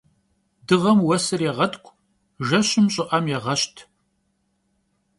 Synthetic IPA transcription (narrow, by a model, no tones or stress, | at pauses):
dɨʁɐmwɐsɨrjɛʁɐtʰʼkʷʰʼ | ʒɐɕɪmɕʼɪʔɐmjɛʁɐɕtʰ